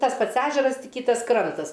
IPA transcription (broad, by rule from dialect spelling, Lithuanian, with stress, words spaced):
tɐs ˈpɐts ˈæːʒʲɛrɐs ˈtʲɪk ˈkʲiːtɐs ˈkrɐntɐs